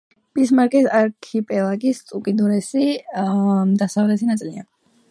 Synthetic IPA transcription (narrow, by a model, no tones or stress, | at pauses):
b̥ʼismaɾkʼɛsaɾkʰipʼɛlˠaɡist̪ʼukʼid̪uɾɛsi | d̪asavlɛt̪ʰinat̪ʼlia̰n